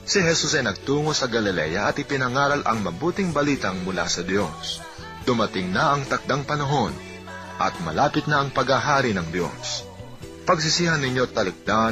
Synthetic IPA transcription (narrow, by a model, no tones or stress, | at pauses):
sɪɦɛsusɐjnɐɡ̚t̪uːŋosɐɡɐlɪlɛ̰jɐʔɐt̪ɪpɪnɐŋaːɾɐlʔɐ̰ŋmɐbuːt̪ɪŋbɐliːt̪ɐŋmʊla̰sɐd̪jo̞s | d̪̥ʊmɐt̪ɪŋnaʔɐŋt̪ɐk̚d̪aŋpɐnɐɦo̞n | ʔɐ̰t̪̚mɐ̰laːpɪt̪̚nɐʔɐŋpɐɡaɦaːɾinɐŋd̪jo̞̰s | pɐɡsɪsiːhɐnːɪɲjo̞t̪ɐlɨk̚d̪̥a